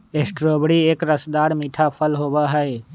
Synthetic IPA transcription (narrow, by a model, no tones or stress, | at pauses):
eːsʈɾoːbɽieːkɾəsd̪aːɾmiːʈʰapʰəlɦoːbaɦəe